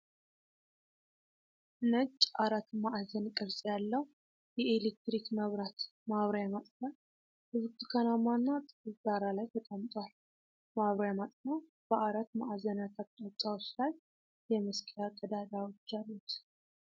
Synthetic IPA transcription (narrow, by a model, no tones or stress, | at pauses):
nət͡ʃʼːʔaɾat̪maʔzənkʼəβsʼjalːəw | jɛelek̚t̪ɾikməβɾat̪maβɾəjamat̪ʼk̪a | hɨzbt̪kʰanamanːat̪ʼɨkʼɨzz̥aɾalajt̪ʰət̪ʼəmt̪ʼwal | maβɾajamat̪ʼnaw | b̥əʔaɾat̪maʔzənjat̪ʰat̪ʼːat̪ʼːawt͡ʃːlaj | jɛmɨskʼjak̪ʼəd̪ad̪awot͡ʃːalːut̪